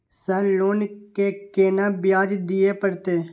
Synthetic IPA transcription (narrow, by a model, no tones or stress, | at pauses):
səloːnkekeːnabɪjaːd͡ʒd̪ɪjepəɾt̪eː